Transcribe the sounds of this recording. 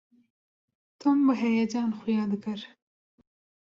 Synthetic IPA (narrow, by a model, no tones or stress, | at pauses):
t̪ʰɨmbɨɦɛjɛd͡ʒɑːnxʊjɑːd̪ɨkɨɾ